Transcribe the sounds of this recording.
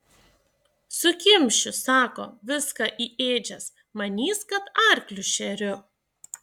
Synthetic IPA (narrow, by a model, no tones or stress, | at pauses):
sʊkʲɪmʲʃʲʊsɑːkoːʋʲɪskɐʔiːʔeːd͡ʒʲɛs | mɐnʲiːskɐt̪ɑˑɾʲklʲʊʃʲɛɾʲʊ